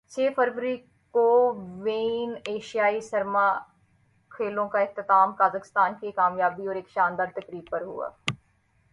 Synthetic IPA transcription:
t͡ʃʰeːfʰəɾʋəɾi | koːʋeːneːʃijaːisɐɾma | kʰeːlõkaɪkt̪ɪt̪aːmkaːzəkɪst̪aːnkekaːmjaːbiɔːɾeːkʃaːnd̪aːɾt̪ɐkɾiːbpɐɾɦʊ̰a̰ː

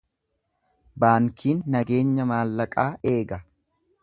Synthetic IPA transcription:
baːŋkʰiːnːɐɡe̞ːɲːɐmaːlːɐkʼaːʔe̞ːɡɐ

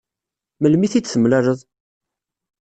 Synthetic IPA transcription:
məlmiθit͡sːθəmlæɾəðˤ

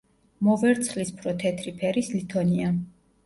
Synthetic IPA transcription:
mɔvɛɾt̪sʰlispʰɾɔt̪ʰɛt̪ʰɾipʰɛɾislit̪ʰɔnia

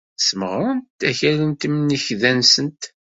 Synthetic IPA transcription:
səməʁɾənt̪æçælənt̪mniçðænsənt̪

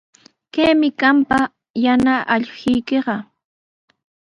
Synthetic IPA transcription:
keːmɪkampa | janaʔaʎhɪjkeɢɑ

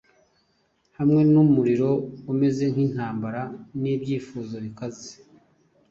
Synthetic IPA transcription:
hamŋe̞numuɾiɾo̞ume̞ze̞ŋ̥hin̥haːmbaɾaniːbjiːfuzo̞βikaze

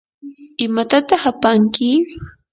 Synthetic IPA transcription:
ɪmat̪at̪aχapaŋkɪ

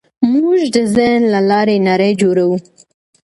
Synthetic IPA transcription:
muʒd̪əzənlalɑɾenaɾəjd͡ʒoɾawu

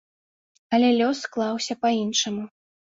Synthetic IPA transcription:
ɐlʲɛlʲɔsklˠɑwsʲɐpainʂɐmu

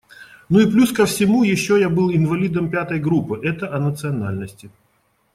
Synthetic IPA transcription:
nuɪplʲuskəfsʲɪmujɪɕːojabɨlˠɪnvɐlʲid̪əmpʲat̪əjɡɾupːɨʔɛt̪əʔɐnət̪sɨɐna̰lʲnəsʲtʲɪ

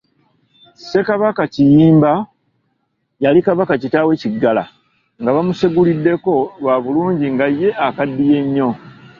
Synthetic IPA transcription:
se̞kaβakacijiːmba | jalikaβakacitawe̞ciɡːala̰ | ŋɡaβamuseɡulidːe̞ko̞βaβuluːɲɟiŋɡajːe̞ʔakadːije̞ɲːo̞

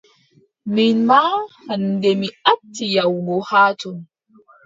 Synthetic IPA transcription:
minmahandɛmiatːijawɡɔhaːtɔn

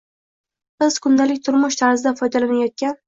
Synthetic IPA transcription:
b̥ɪz̥kʰʊnd̪alɪk̚ʲt̪ʰʊɾmʊʃt̪ʰaɾzɪd̪afɒjd̪alanajɒt̪̚kʲan

